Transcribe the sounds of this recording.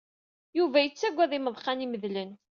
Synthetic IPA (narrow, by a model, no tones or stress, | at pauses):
juvæjət͡sːæɡʷːæðiməðˤχɑniməðlən